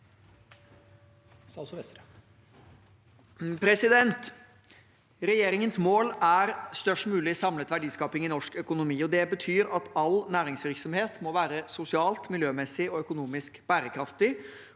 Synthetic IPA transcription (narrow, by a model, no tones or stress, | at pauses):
pʰɾɛsɪd̪ɛnt̪ | ɾɛjeːɾɪŋənsmoːlæɾst̪œʂʈmʉːlɪsɑmlət̪ʋæɖiːskɑːpɪŋɪnɔʂkœkʊnʊmiːɔd̪ɛbət̪ʰyːɾɑt̪ɑlnæːɾɪŋsʋɪɾksɔmheːt̪mɔʋæːɾəsʊsɪɑːlt̪mɪljøːmɛsːɪɔœkʊnuːmɪskb̥æːɾəkʰɾɑft̪ɪ